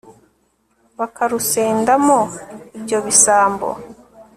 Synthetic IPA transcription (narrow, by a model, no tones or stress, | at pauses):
βakaɾuseːndamoibɟo̞βisaːmbo̰